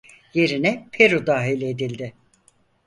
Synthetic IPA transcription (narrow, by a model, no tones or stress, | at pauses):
je̞ɾinɛpʰeɾud̪aːɦilʲed̪ilʲd̪ɪ